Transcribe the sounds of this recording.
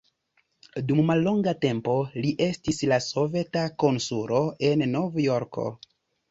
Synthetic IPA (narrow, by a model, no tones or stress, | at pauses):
dumːalːo̞ŋɡate̞mpo̞liʔe̞stislaso̞ve̞tako̞nsulo̞ʔe̞nːo̞vjo̞ɾkʰo̞̰